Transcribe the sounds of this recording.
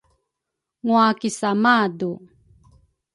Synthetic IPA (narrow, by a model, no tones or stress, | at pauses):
ŋuakisamadu